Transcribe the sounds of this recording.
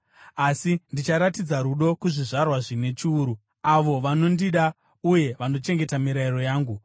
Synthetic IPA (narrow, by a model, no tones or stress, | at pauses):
asindit͡ʃaɾatid͡zaɾuɗo̞kuʐiʐarwaʐine̞t͡ʃiuːɾu | aʋo̞ʋano̞ndiɗa | uje̞ʋano̞t͡ʃe̞ŋɡe̞tamiɾairo̞jaːŋɡu